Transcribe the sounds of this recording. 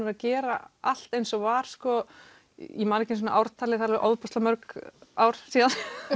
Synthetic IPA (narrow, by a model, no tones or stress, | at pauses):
ʏɾacɛːɾaal̥t̪ejnsɔɣvaːɾ̥skɔ | jɛmaːnɛhcɪns̬ɔnaʔawɾ̥t̪ʰaːlɪθaɾlʔowðpɔst̪lamœɾkaːwɾ̥siːðan